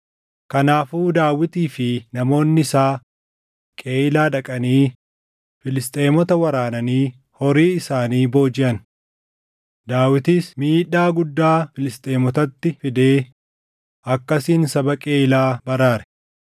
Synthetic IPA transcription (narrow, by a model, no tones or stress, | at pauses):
kɐnaːfuːd̪aːwɪt̪iːfɪnɐmo̞ːnːɪɪsaː | kʼe̞ːɪlaːᶑɐkʼɐniː | fɪlɪst̪ʼe̞ːmɔt̪ɐwɐɾaːnɐniː | hɔɾiːɪsaːniːbo̞ːd͡ʒɪʔɐn | d̪aːwɪt̪iːsmiːᶑaːɡʊd̪ːaːfɪlɪst̪ʼe̞ːmɔt̪ɐt̪ːɪfɪd̪e̞ː | ɐkːɐsiːnsɐbɐkʼeːɪlaːbɐɾaːɾɛ̥